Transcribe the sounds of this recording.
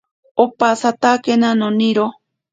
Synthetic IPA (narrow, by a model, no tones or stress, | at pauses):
opasat̪akenanoniɾo